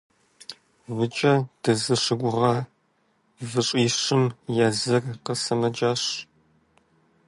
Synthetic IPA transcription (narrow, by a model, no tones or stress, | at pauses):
vɨt͡ʃʼɐd̥ɐzɨʂɪɡʷʊʁɐ | vɨɕʼiːʂɪmjazɐrqəsɐmɐd͡ʒaːɕ